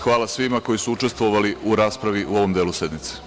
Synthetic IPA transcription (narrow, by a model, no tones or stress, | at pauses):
xʋaːlasʋimako̞jisuut͡ʃe̞st̪ʋoʋaliuɾaːspɾaʋiʔuo̞ʋo̞md̪eːluse̞d̪mit̪se̥